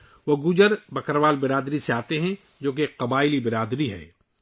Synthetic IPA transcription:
ʋoɡud͡ʒəɾbɐkəɾʋaːlbɪɾaːd̪ɾiseaːt̪eɦɛ̃ | d͡ʒoːk̬eqɐbaːɪlibɪɾaːd̪ɾiɦɛ̰ː

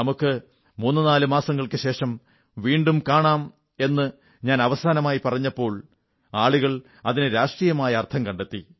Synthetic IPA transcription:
ɐmukːɨ | muːnːɨnaːlɨmaːsɐŋːɐɭkɨɕe̞ːʂɐm | ʋiːɳɖumkaːɳaːm | e̞nːɨ | ɲaːnɐʋɐsaːnɐmaːjipɐrɐɲːɐpːo̞ːɭ | aːɭuɣɐɭ | ɐðinɨɾaːʂʈrijɐmaːjɐːrt̪ʰɐmkɐɳɖet̪ːi

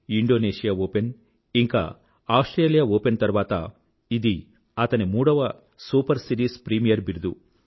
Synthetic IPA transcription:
iɳɖoːneːʂijaːoːpen | iŋka̰ː | aːwsʈɾeːlijaoːpent̪ɐɾʋaːt̪ɐ̰ | id̪i | ɐt̪ɐnimuːɽɐʋɐ | suːpɐɾsiʈiːspɾiːmijɐɾbiɾud̪u

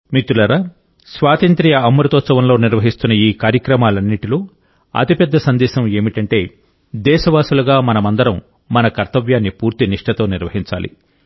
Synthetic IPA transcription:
mit̪ulɐɾɐ | sʋaːt̪ɐnt̪ɾijɐɐmːuɾɐt̪oːt͡ʃɐʋɐnloːniɾʋɐɦist̪unːɐiːkaːɾjɐkɾɐmaːlɐnːiʈiloː | ɐ̰t̪ipɛd̪ːɐsɐnd̪ɛːʃɐme̞ːmiʈɐɳʈe̞ː | d̪ɛːʃɐʋaːsulɐɡaːmɐnɐmɐnd̪ɐɾɐmː | ɐnɐkɐɾt̪ɐʋjaːnːipuːɾt̪iniʂʈɐt̪o̞ːniɾʋɐɦiɲt͡ʃa̰ːlḭ

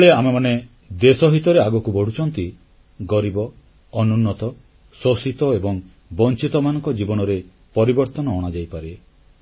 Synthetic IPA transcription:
ɔɭeamemane | d̪esɔɦit̪ɔɾeaɡɔkubɔɽ̤ut͡ʃʰɔnt̪i | ɡɔɾibɔː | nunːɔt̪ɔ | sosit̪ɔebɔŋ | bɔnt͡ʃit̪ɔmanɔ̃ŋkɔd͡ʒibɔñɔɾe | pɔɾibɔɾt̪ɔnɔːɽ̃ad͡ʒajpaɾe

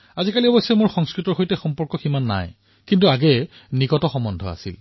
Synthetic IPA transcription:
azikaliɔbɔsːɔjmʊɹxɔŋskɹitɔɹxojtɛxɔmpɔɹkɔximanːa̰j | kintuaɡɛ | nikɔtɔxɔmɔndʱɔ̰a̰sḭl

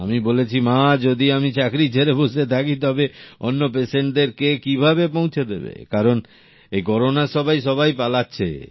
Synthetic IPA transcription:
a̰mibolet͡ɕʰimad͡ʑod̪iamit͡ɕakɾit͡ɕʰeɾeboʃet̪ʰakit̪ɔbeo̰nːop̬eseɳʈ̚d̪eɾkekibʱabepõw̃t͡ɕʰed̪ḛbḛkaɾon | ekɔɾonaʃɔbajʃɔbajpalatːɕʰḛ

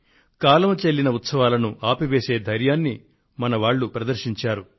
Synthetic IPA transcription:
kaːlɐmɐt͡ʃe̞lːinɐut̪sɐʋaːlɐnuʔaːpiʋe̞ːse̞ːd̪ʱɐɾjaːnːi | mɐnɐʋaːɭːupɾɐd̪ɐɾʃiɲt͡ʃaːɾu

